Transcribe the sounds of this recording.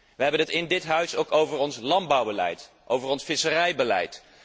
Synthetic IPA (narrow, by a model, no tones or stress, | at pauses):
ʋəɦɛbənɦətɪndɪtɦœɥsowkowvəɹɔnslɑnbɑwbəlɛ̰jt | ʔowvəɹɔnsfɪsərɛjbəlɛ̰jt